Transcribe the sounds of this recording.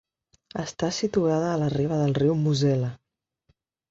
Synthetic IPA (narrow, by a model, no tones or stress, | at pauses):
əst̪asit̪uaðəːləriβ̞əðəlˠriwmuzɛlə